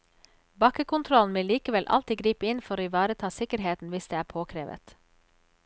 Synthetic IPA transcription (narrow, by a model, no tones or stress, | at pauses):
bɑkəkʊnt̪ʰɾɔln̩ʋɪliːkəʋɛlʔɑ̰lt̪ɪɡɾiːpəɪnfɔɾoːɪʋɑːɾət̪ʰɑːsɪkəɾɦeːt̪n̩ʋɪsd̪eːæːpʰoːkʰɾeːʋə̰t̪